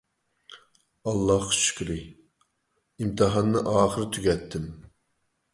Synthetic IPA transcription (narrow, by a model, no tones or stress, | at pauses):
ɑlˠːɑhχʰʃy̥kʲɾɪ | imt̪ʰɨɦɑnːɨʔɑːχəɾɨt̪ʰyɡʲɛt̪ʰːɪm